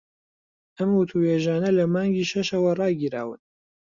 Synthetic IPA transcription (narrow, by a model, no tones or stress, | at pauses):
ɐmwʊt̪ʰuheːʒaːnɐlɐmaːŋɡiːʃɐʃɐwɐrˤɑːɡiɾa̰ːwɨ̰n